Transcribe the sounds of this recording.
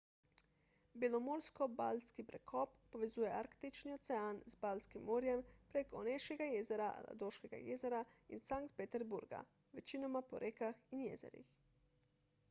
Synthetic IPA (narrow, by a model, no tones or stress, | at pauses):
bjelɔmoːɾskɔbalskipɾɛkʰɔpːɔʋɛzuːjɛa̰ɾkt̪it͡ʃniɔsɛanzbalskimːoːɾjɛmpɾeːkɔneʃkɛɡajeːzɛɾaʔa̰la̰d̪oʃkɛɡa̰jeːzɛɾaḭnsaŋk̚t̪̚pet̪ɛɾbuɾɡa̰ | ʋɛt͡ʃiːnɔmapɔ̰ɾʔeːkaxinjɛ̰zɛ̰ɾḭx